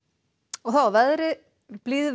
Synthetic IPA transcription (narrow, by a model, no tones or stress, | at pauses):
ɔθavɛðɾɪ | b̥liːðɪ